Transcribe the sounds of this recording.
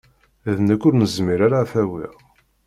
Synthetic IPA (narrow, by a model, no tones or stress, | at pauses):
æðnækːʊɾnəzmiɾaɾafæwḭʁ